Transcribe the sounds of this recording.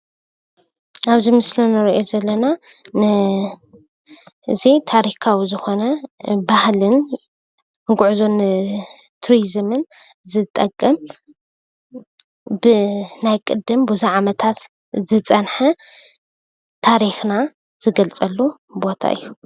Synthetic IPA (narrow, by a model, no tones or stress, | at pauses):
ʔaβzimɨslunɨɾiʔo̞zɐlːɐna | nɨ | ʔɨzit̪ʰaɾikʰawizɨxo̞nɐbahlɨn | ɡʊʕuzon | t̪ʰuɾizɨmɨn | zɨt̪ʼɐkʼːɐm | bɨnajkʼɨd̪ɨmbuziʕamɐt̪ʰat̪ | zɨt͡sʼɐnħɐ | t̪ʰaɾixna | z̥ɨɡɐlt͡sʼɐlːu | bo̞t̪ʰa̰ʔɨ̰jːu